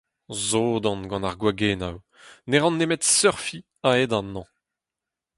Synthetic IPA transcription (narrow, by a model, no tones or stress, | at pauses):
zoːd̪ɑ̃nɡɑ̃naʁɡwaɡena̰w | neʁɑ̃nːemɛt̪sœʁfi | aed̪anːɑ̃